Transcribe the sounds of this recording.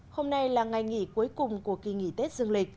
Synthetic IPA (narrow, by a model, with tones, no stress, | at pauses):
ho˧mna˧jlaː˨˩ŋa˨˩jŋḭ˧˩ku˨˦əjkʊ˨˩ŋ͡mku˧˩əki˧˩ŋḭ˧˨t̪e˦˥t̚zɨ˧əŋlï˨˩k̟̚